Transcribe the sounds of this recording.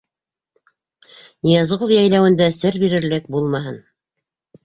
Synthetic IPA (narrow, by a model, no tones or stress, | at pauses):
nijɑzʁoðjæjlæwɘ̆nd̪æsɘɾbiɾɘ̆ɾlɘk̚bulˠmɑɦɤn